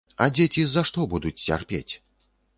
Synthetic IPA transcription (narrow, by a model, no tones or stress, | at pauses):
ɐ̰d͡zʲet͡sʲizɐʂt̪ɔbud̪ut͡sʲt͡sʲa̰rpʲḛt͡sʲ